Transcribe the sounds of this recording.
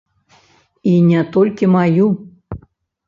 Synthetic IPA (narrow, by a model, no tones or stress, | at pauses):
inʲɛt̪ɔlʲkʲimaju